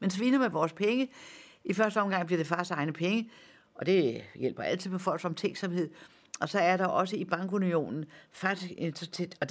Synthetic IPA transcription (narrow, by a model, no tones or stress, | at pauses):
mensʋinəmeʋɒːspʰeŋə | ifɶɐsd̥əɒ̽mɡ̥ɑ̈ŋ̰bliɐd̥e̝fɶɐsd̥ɑ̈ɪnəpʰeŋə | ʔɒ̽d̥e̝jel̰b̥ɐæl̰t͡sʰið̩̰ˠfʰɒfɒ̽l̰ɡ̥sɒ̽mt͡sʰeŋɡ̥sɒ̽mhe̝ð̰ˠ | ʔɒ̽sɒ̽æɐɾ̥ɑ̈ʔɒ̽səib̥ɑ̈ŋ̰ɡ̥unio̝̰ːnn̩fɑ̈ɡ̥d̥isɡ̥ent͡sʰt͡sʰed̥ɒ̥